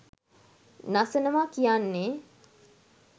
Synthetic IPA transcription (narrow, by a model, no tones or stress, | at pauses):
nasənəmakijanːe